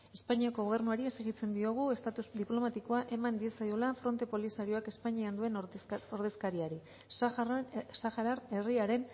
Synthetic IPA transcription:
e̞spaɲiako̞ɣ̞o̞β̞e̞ɾnuaɾie̞seɣit͡se̞nd̪io̞ɣ̞ue̞st̪at̪uzd̪iplo̞mat̪iko̞aʔe̞mand̪iesajolafɾo̞nt̪e̞po̞lisaɾio̞ake̞spaɲiand̪ue̞no̞ɾðe̞skaɾiaɾi | saxaɾaɾe̞riaɾe̞n

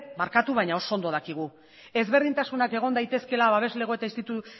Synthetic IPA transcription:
maɾkat̪uβajɲao̞sond̪o̞ðakiɣ̞u | e̞zβe̞ɾðint̪asunake̞ɣ̞o̞nd̪ajt̪e̞ske̞laβaβ̞e̞zle̞ɣe̞t̪ainst̪it̪u

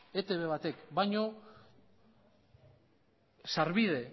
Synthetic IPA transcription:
e̞t̪e̞βe̞βat̪e̞kbajɲo̞ | saɾβiðe̞

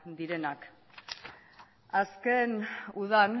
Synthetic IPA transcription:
d̪iɾe̞nak | aske̞nuðan

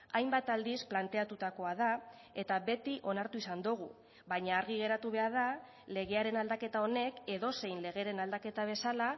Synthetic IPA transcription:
ajmbat̪ald̪isplant̪e̞at̪ut̪ako̞að̞a | e̞t̪aβe̞t̪iʔo̞naɾt̪uisand̪uɣ̞u | βajɲaːɾɣiɣe̞ɾat̪uβe̞aɾða | le̞ɣe̞aɾe̞nald̪ake̞t̪ao̞ne̞ke̞ðo̞se̞jnle̞ɣ̞e̞ɾe̞nald̪ake̞t̪aβ̞e̞sala

